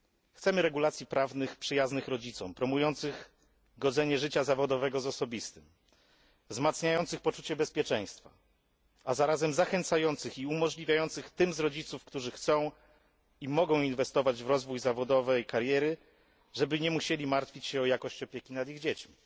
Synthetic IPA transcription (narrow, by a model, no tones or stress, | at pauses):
xt̪sɛmɘɾɛɡulat̪sʲjipɾavnɘxpʂɘjaznɘxɾɔd͡ʑit̪sɔ̃mpɾɔmujɔnt̪sɘɣ | ɡɔd̪zɛɲɛʐɘt͡ɕazavɔd̪ɔvɛɡɔzɔsɔbʲist̪ɘm | vzmat̪sɲajɔnt̪sɘxpɔt͡ʂut͡ɕɛbɛspʲjɛt͡ʂɛ̃j̃st̪fa̰ | azaɾazɛmzaxɛnt̪sajɔnt̪sɘxiumɔʐlʲivʲjajɔnt̪sɘxt̪ɘmzɾɔd͡ʑit̪sufkt̪uʐɘxt̪sɔ̃w̃ | imɔɡɔ̃w̃invɛst̪ɔvad͡ʑvɾɔzvujzavɔd̪ɔvɛjkaɾjɛɾɘ | ʐɛbɘɲɛmuɕelʲimaɾt̪fʲit͡ɕɕɛɔjakɔɕt͡ɕɔpʲjekʲinad̪iɣd͡ʑet͡ɕmʲi